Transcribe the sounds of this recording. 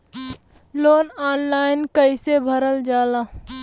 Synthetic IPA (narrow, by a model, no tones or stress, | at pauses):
loːnaːnlaːɪnkəisebʱəɾəld͡ʒaːlaː